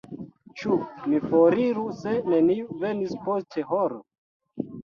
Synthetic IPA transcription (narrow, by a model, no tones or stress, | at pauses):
t͡ʃumifoɾiɾuse̞ne̞niuve̞nispostʰe̞hoɾo̰